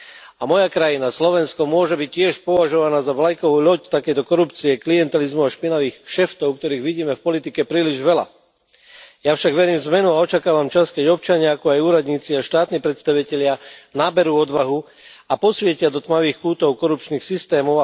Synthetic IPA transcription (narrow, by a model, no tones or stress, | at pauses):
amɔjakɾajinaslɔʋɛnskɔmʊɔʒɛbic̚cɪɛʃpɔʋaʒɔʋanaːzaʋlajkɔʋuːʎɔct̪akɛjt̪ɔkɔɾupt͡siɛkliɛnt̪ɛlizmuaʃpinaʋiːxʃɛft̪ɔʊk̚t̪ɔɾiːɣʋiɟiːmɛfpɔlit̪ikɛpɾiːliʒʋɛla̰ | jafʃaɡʋɛɾiːmzmɛnuaɔt͡ʃakaːʋamt͡ʃaskɛɟɔpt͡ʃaɲɪaakɔajuːɾad̪ɲiːt͡siaʃt̪aːt̪niːpɾɛt̪st̪aʋicɛʎɪanaːbɛɾuːɔd̪ʋaɦu | apɔsʋɪɛcɪad̪ɔt̪maʋiːxkuːt̪ɔʊkɔɾup̚t͡ʃniːxsist̪ɛːmɔʊ